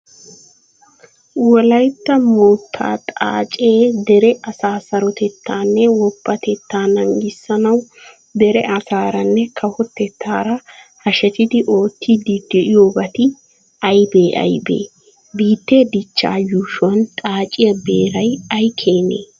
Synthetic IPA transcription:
wɔlɐjt̪ːɐmoːt̪ʰːa̰ːt̪ʼa̰ːt͡ʃʼeːd̪ɛɾɛʔɐsaːsɐɾɔt̪ɛt̪ʰːaːnːɛwɔbːɐt̪ɛt̪ʰːaːnɐŋɡɪsːɐnɐw | d̪ɛɾɛʔɐsaːɾɐnːɛkʰɐhɔt̪ːɛt̪ʰːaːɾɐhɐʃɛt̪ɪd̪ɪʔo̞ːt̪ʰːid̪id̪ɛʔɪjoːbɐt̪ɪ | ɐjbeːʔɐ̰jbḛː | biːt̪ːe̞ːd̪ɪt͡ʃːa̰ːjuːʃwɐnt̪ʼaːt͡ʃʼɪjɐbe̞ːɾɐjɐjkʰeːnḛː

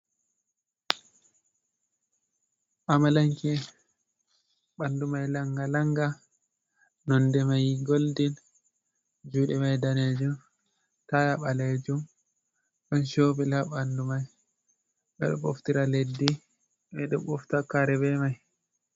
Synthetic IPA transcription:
ʔamalaŋki | ɓandumajlaŋɡalaŋɡa | nɔndɛmajɡoldin | d͡ʒuːɗɛmajdaned͡ʒum | tajaɓaled͡ʒum | ɗɔnʃoːbilaɓandumaj | ɓɛ̰ɗɔ̰ɓɔftiɾaledːi | ɓɛɗɔɓɔftakaɾɛbɛmaj

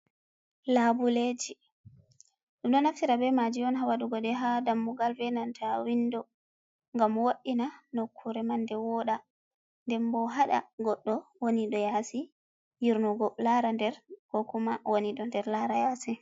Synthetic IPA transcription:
labuled͡ʒi | ɗumɗɔnaftiɾabɛmad͡ʒiɔnɦawaɗuɡɔɗɛɦadamːuɡalvɛnantʰawindɔ | ŋɡamwoɗːinanokʰːuɾɛmandɛwɔɗa | ndɛmbɔɦaɗa̰ɡɔɗːɔwoniɗɔjasi | jiɾnɔɡɔlaɾandɛɾkɔkumawoniɗɔndɛɾlaɾajaːsi

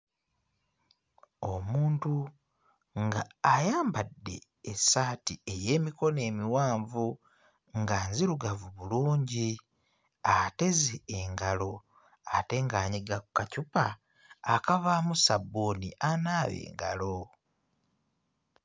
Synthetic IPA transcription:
o̞muːntu | ŋɡaːjaːmbadːe̞ː | saːtieje̞ːmiko̞ne̞ːmiwaːɱvu | ŋɡanziɾuɡavuβuluːɲɟi | ate̞zeːŋɡalo̞ | ate̞ŋɡaːɲiɡakukacupaː | kaβaːmusaboːniʔanaːβḛːŋɡa̰lo̞

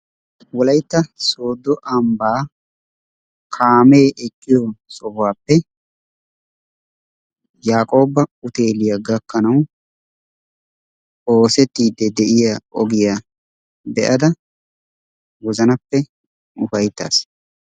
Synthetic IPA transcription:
wɔlɐjt̪ːɐso̞ːd̪ːɔʔɐmbaː | kʰaːmeːʔɛkʼːɪjɔsɔhwaːpːɛ | jaːkʼo̞ːbɐʊt̪e̞ːlɪjɐɡɐkːɐnɐw | o̞ːsɛt̪ːiːd̪ːɛd̪ɛʔɪjaʔɔɡɪja | bɛʔɐd̪ɐ | wɔzɐnɐpːɛ | ʊfɐjt̪ːa̰ːs

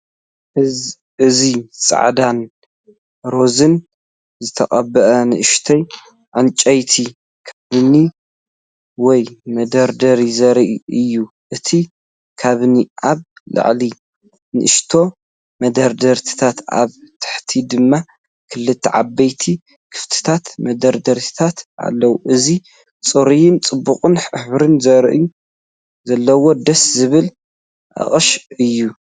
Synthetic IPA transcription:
ɨzit͡sʼa̰ʕd̪an | ɾo̞zɨn | zɨt̪ʰɐkʼɐbɐʔɐnɨʔɨʃt̪ʰɐj | ʕɨnt͡ʃʼɐjt̪ʰi | kʰaβni | wɔjmɐd̪ɐɾd̪ɐɾizɐɾiʔɨjːu | ʔɨt̪ʰi | kʰaβniʔaβlɨ̰ʕli | nɨʔɨʃt̪ʰo̞ | mɐd̪ɐɾd̪ɐɾt̪ʰi̥t̪ʰat̪a̰βt̪ʰɨ̥ħt̪ʰid̪ɨmːa | kʰɨlːɨt̪ʰːiʕa̰bːɐjt̪ʰi | kʰɨ̥ft̪ʰɨ̥t̪ʰat̪mɐd̪ɐɾd̪ɐɾt̪ʰi̥t̪ʰat̪a̰lːɐwuʔɨzi | t͡sʼɨɾijɪnt͡sʼɨbːuqʼɨnħɨβɾɨnzɐɾʔju | zɐlːɐwo̞d̪ɐszɨβɨl | ʔɐ̰χʼɨʃɨjːu

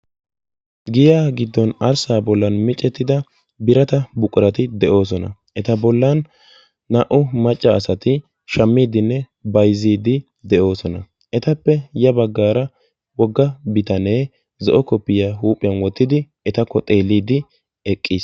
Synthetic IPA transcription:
ɡɪjaːɡɪd̪ːɔnɐɾsaːbɔlːɐnmɪt͡ʃʼːɛt̪ːɪd̪ɐ | bɪɾɐt̪ɐbʊkʼːʊɾɐt̪ɪd̪ɛʔo̞ːs̬ɔnɐ̰ | ʔɛt̪ɐbɔlːɐnː | ɐʔʊmɐt͡ʃʼːɐːsɐt̪ɪ | ʃɐmːiːd̪ɪnːɛ | bɐjziːd̪ɪ | d̪ɛʔo̞ːsɔnɐ | ʔɛt̪ɐpːɛjɐbɐɡːaːɾɐ | wɔɡːɐbɪt̪ɐne̞ː | zɔʔɔkɔpːɪjaːɦuːpʼɪjɐnwɔt̪ːɪd̪ɪ | ɛt̪ɐkːɔt̪ʼeːlːiːd̪ɪ | ɛkʼːiːs

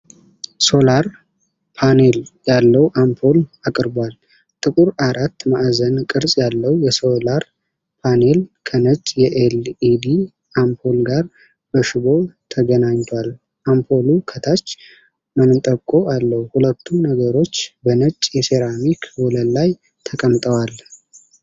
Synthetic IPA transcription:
so̞laɾ | pʰane̞ljalːəwʔampʰo̞lakʼɨɾbal | t̪ʼɨkʼuɾaɾat̪ːmaʔzənkʼɨɾsʼjalːəwjɛso̞laɾ | pʰane̞lkʰənət͡ʃʼjɛʔelid̪i | ʔampʰo̞lɡaɾ | bəʃɪbo̞t̪ʰəɡənaɲt̪ʰwal | ʔampʰo̞lukʰət̪ʰat͡ʃː | mənɨt̪ʼəkʼːo̞ʔalːəhuhulət̪ʰːunːəɡəɾo̞t͡ʃːbənət͡ʃʼːjɛseɾamikʰwɔləllaj | t̪ʰəkʼəmt̪ʼəwal

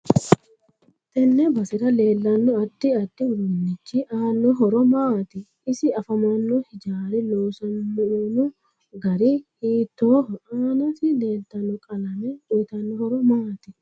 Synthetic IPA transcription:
t̪ɛnːɛbɐsɪɾɐle̞ːlːɐnːɔɐt̪ːɪɐt̪ːɪʊɾʊnːɪt͡ʃːɪʔaːnːɔɦɔɾɔmaːt̪ɪ | ɪsɪɐfɐmɐnːɔhɪd͡ʒaːɾɪloːsɐnːnʊ | ɡɐɾihiːt̪ːoːaːnɐfɪde̞ːlt̪ɐnːɔkʼɐlɐmɛʔʊjt̪ɐnːɔhɔɾɔmaːt̪ɪ

